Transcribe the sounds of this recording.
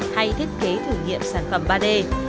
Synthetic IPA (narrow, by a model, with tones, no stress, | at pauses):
ha˧jt̪ʰi˦˥k̟̚ke˨˦t̪ʰɨ˧˩ŋḭ˧˨əmsaː˧˩nfə˧˩mɓaː˧ɗe˧